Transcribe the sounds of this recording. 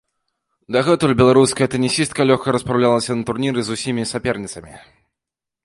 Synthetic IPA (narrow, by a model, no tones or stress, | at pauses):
d̪aɣɛt̪ulʲbʲɛlˠaɾuskɐjɐt̪ɨnʲisʲist̪̚kɐlʲɔxkɐɾɐspɾawlʲalˠɐsʲɐnɐt̪urnʲiɾɨzusʲimʲisʲapʲɛrnʲit̪sɐmʲi